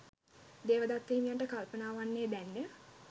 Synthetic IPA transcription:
d̪eːʋəd̪at̪ːiːmijaʈəkalpənaːʋanːeːb̪ænːe

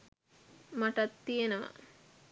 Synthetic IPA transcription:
maʈat̪ːijenəʋa̰

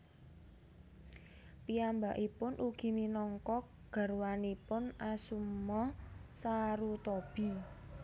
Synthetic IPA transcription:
piambaʔipʊnʔuɡ̥i̤minɔŋkɔk | ɡ̥a̤rwanipʊnasumːɔsaɾut̪ɔb̥i̤

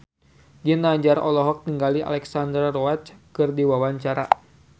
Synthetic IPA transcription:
d͡ʒinaɲd͡ʒaɾɔlɔɦɔk̚t̪iŋɡalia̰lɛksandɾrɔwat͡ʃkɨrdiwawaɲt͡ʃaɾa

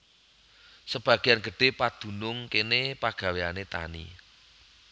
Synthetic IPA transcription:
səb̥ä̤ɡ̥ianɡ̥əɖ̥e̤pad̪̥ṳnʊŋkenepaɡ̥a̤weanet̪a̰nḭ

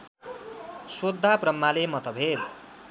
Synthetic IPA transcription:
swod̪ʱːaprʌmːalemʌt̪ʌbʱed̪

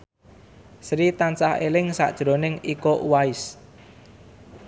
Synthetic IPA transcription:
sɾit̪ant͡ʃahelɪŋsa̰ʔd̥ʒ̥ɾonɪŋikoʔuwaɪs

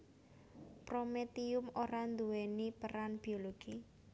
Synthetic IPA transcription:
pɾomet̪iʊmoɾand̪uwenipəɾanb̥ioloɡ̥i

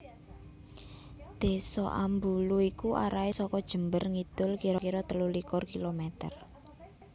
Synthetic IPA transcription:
d̪̥e̤sɔ̰ʔa̰mbuluikuʔaɾaesɔkɔd̥ʒ̥ə̤mbərŋid̪̥ʊlkiɾɔkiɾɔt̪əlulikʊrkilomɛt̪ə̰r

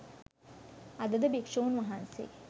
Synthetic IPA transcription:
ɐd̪ɐd̪ɐbikʂoːnʋɐɦaːnsḛː

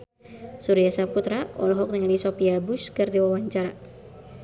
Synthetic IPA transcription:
suɾijasap̚kut̪ɾaɔ̰lɔɦɔk̚nəŋalisɔpiabuskɨrdiwawaɲt͡ʃaɾa

